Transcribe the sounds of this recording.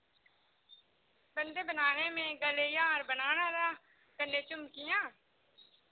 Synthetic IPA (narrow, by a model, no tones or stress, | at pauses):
bənd̪eːbənaːneːmẽːɡəleːjãːɾbənaːnaːɾaː | kəɳɖeːt͡ʃʊmkɪjãː